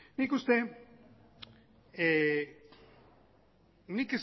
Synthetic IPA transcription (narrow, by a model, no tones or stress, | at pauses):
nikust̪e̞ | e | nikes